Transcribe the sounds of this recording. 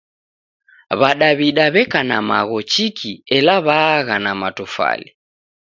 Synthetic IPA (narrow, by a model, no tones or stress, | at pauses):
βaɗaβiɗaβɛkanamaɣɔt͡ʃikʰiɛlaβaːɣanamatufa̰li